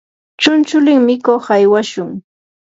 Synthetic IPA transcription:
t͡ʃʊnt͡ʃʊlɪŋmɪkoχajwaʃʊŋ

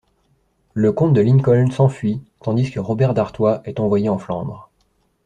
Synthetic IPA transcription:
ləkɔ̃t̪̚d̪əliŋkɔlsɑ̃fɥit̪ɑ̃d̪iskəʁɔbɛʁd̪aʁt̪waʔɛt̪ɑ̃vwajeɑ̃flɑ̰̃b̪ʁ

